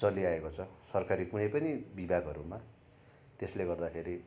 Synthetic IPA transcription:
t͡sʌliaekot͡sʰʌsʌrkaɾikunʌjpʌnibibʱaɡʱɦʌɾuma | t̪esleɡʌrd̪akʰeɾi

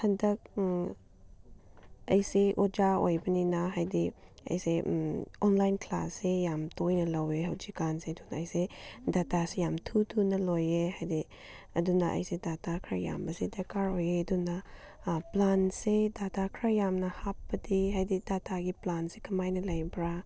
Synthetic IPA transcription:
hɐndɐk̚ | ɐjseʔod͡ʒao̰jbɐninaɦajdiɐ̰jseɔnlajnkʰla̰sːejamtojnɐlɐweɦɐwd͡ʒikansedunaːjsedatasejamtʰutʰunɐlojehajdi | ɐdunɐʔɐ̰jsedatakʰɾa̰ja̰mbɐsedekaɾojeɐdunɐ | plansedatakʰɾajamnɐhap̚ːɐdiɦajdidataɡiplansekʰɐmajnɐlɐjbɾa

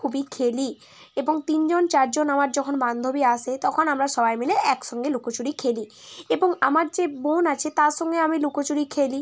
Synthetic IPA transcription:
kʰubikʰeli | eboŋt̪ind͡ʑont͡ɕaɾd͡ʑonamaɾd͡ʑɔkʰonband̪ʱobiaʃʰet̪ɔkʰonamɾaʃɔbajmeleʔɛkʃɔŋɡelukot͡ɕuɾikʰeli | eboŋamaɾd͡ʑebonat͡ɕʰet̪aɾʃɔŋɡeamilukot͡ɕuɽikʰeli

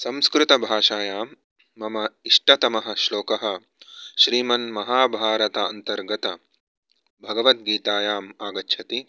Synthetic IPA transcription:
sɐmskɾut̪ɐbʱaːʂaːjaːmː | ɐmɐiʂʈɐt̪ɐmɐɦɐ̆ʃloːkɐɦɐ̆ | ʃɾiːmɐnmɐɦaːbʱaːɾɐt̪ɐɐ̰nt̪ɐɾɡɐt̪ɐ | bʱɐɡɐʋɐt̪̚ɡiːt̪aːjaːmaːɡɐtːʃʰɐt̪i

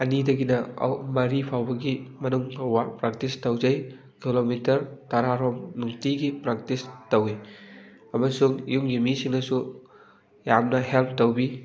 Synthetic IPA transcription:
ɐnidɐɡinɐɐ̰wmɐɾipʰawbɐɡimɐnuŋpʰɐwbapɾak̚tistɐwzɐj | kilomitɐɾtaɾaɾɔmnuŋtiɡipɾak̚tistɐwi | ɐmɐsuŋjuŋjimisiŋnɐsu | jamnɐhelp̚ʰtɐwbi

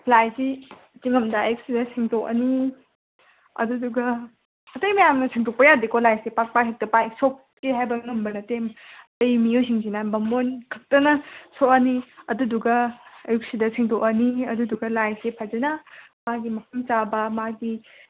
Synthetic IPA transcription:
pʰlajsit͡ʃiŋɐmdɐɐjuk̚sidɐsʰiŋtok̚ɐ̰ni | ɐ̰duduɡɐ | ɐtɐjmɐjamnɐsʰiŋtʰok̚pɐjadikolajsepak̚paɦek̚tɐpajsok | keɦajbɐŋɐmbɐnɐtem | ɐjmiojs̬iŋsinabɐmonkʰɐk̚tɐnɐsok̚ɐniɐduduɡɐːjuk̚sidɐsiŋtok̚ɐniɐduduɡɐlajsepʰad͡ʒɐnɐmaɡimɐpʰɐmt͡ʃabɐmaɡi

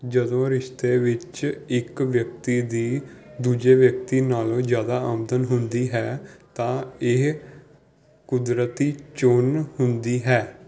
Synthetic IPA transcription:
d͡ʒəd̪õːɾɪʃt̪eːʋɪt͡ʃɪkʋjəkt̪iːd̪iːd̪uːd͡ʒeːʋjək̚t̪iːnaːlõːd͡ʒjaːd̪aːəmd̪ənɦʊnd̪iːɦɛːt̪ãːɪ | kʊd̪ɾət̪iːt͡ʃʊnhʊnd̪iːɦɛː

